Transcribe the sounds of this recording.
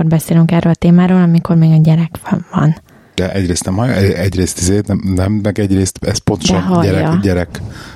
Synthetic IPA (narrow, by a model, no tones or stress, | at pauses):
orbɛseːlyŋkɛrøːlɒt̪eːmaːɾoːlɒmiko̞rmeːɡɒɟɛɾɛkʋvɒ̰n | d̪̥ɛʔɛɟɾeːst̪nɛmɦɒjʔɛɛɟreːst̪izeːt̪nɛmnɛmnɛkɛɟreːst̪ɛspo̞nt̪oʃɔɦɒɟjɛɾɛɒɟɛɾɛk